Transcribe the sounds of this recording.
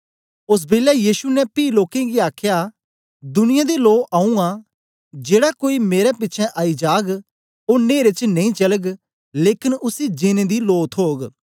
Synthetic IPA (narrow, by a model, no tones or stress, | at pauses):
ʊs̬bɪlɛjiːʃunɛpiːloːkẽɡiaːkʰja | d̪ʊnɪjãd̪iloːʔaːũã | d͡ʒeːɽakoːimeːɾɛpɪtːt͡ʃʰɛ̃ʔaːid͡ʒaːɡ | oːɾneːɾet͡ʃnẽĩt͡ʃɐləɡ | leːkɪnʊsid͡ʒɪnẽd̪iloːt̪ʰɦoːɡ